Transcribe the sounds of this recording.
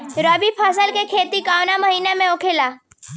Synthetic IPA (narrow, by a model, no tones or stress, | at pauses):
ɾəbipʰasəlkekʰeːt̪ikaːwnaməɦiːnemẽokʰela